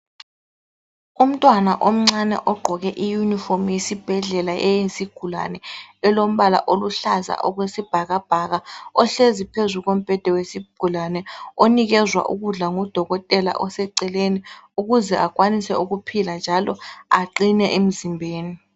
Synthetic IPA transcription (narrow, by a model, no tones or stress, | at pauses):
um̩tʼwanaʔom̩ŋ͡ǀanɛ̰ʔɔɡ͡ǃʱɔɣɛʔijuniformjesib̥ʱɛɮɛlaʔɛjesiɡ̥ʱula̰nɛɛlom̩ɓala̰ʔoluɬaza̰ʔɔɣ̬wesib̥ʱaɣab̥ʱaɣaɔɬezipʰezuɣom̩b̥ʱɛd̥ʱɛwesiɡ̥ʱulanɛoniɣɛzwa̰ʔuɣuɮaŋɔd̥ʱɔɣɔtʼɛla̰ʔɔsɛǀɛleniuɣuzɛʔakʼwanisɛuɣupʰiland͡ʒʱalɔaǃinɛʔem̩zimbʱeːni